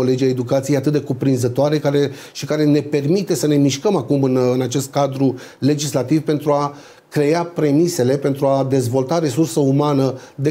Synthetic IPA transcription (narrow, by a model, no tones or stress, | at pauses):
ole̞d͡ʒʲiaed̪ukat̪sijejat̪ɨt̪̚d̪ekupɾinzət̪oaɾe̞kaɾe | ʃikaɾe̞ne̞pe̞rmit̪e̞səne̞miʃkəmakumɨnɨnat͡ʃe̞st̪̚kad̪ɾu | le̞d͡ʒislat̪ivpe̞nt̪ɾua | kɾe̞apɾe̞mise̞le̞pe̞nt̪ɾuad̪e̞zvo̞lt̪aɾe̞sursəumanəd̪e